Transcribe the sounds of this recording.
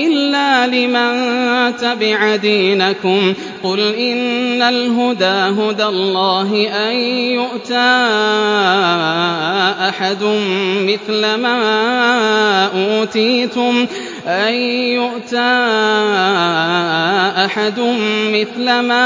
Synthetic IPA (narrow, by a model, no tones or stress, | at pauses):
ʔɪlːaːlɪmant̪abɪʕd̪iːnakʊm | qʊlʔɪnːalɦʊd̪aːɦʊd̪alˤːɑːɦɪʔanjʊʔt̪aː | ʔaħad̪ʊmmɪθlama | ʔuːt̪iːt̪ʊm | ʔajjʊʔt̪aː | ʔaħad̪ʊmmɪθlamaː